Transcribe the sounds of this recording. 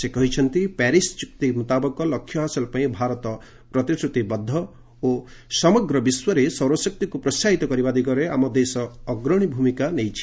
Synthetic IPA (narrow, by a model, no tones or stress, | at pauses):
sekɔɦit͡ʃʰɔnt̪ipɛɾist͡ʃuk̚t̪imut̪abɔkɔlɔkʰːjɔɦasɔlpaĩbʱaɾɔt̪ɔ | pɾɔt̪isʈɾut̪ibɔd̪ʱːɔ | o | sɔmɔɡɾɔbiswɔɾesɔwɾwɔsɔk̚t̪ikupɾɔsaɦit̪ɔkɔɾibad̪iɡɔɾeamɔd̪esɔːɡɾɔɽ̃ibʱumikanejt͡ʃʰi̥